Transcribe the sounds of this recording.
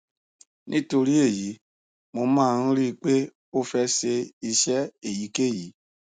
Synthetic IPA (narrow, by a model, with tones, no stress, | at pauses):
nʔĩ˦to˧ɾi˦e˦˨ji˨˦ | mo˧mãː˦˨˧ɾi˦˧k͡pe˦ | o˦fɛ˦se˧i˧ʃɛ˦e˦˨ji˨˦ke˦˨ji˨˦